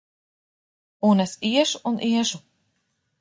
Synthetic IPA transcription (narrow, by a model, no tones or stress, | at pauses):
unɛsiɛʃuunʔiɛʃu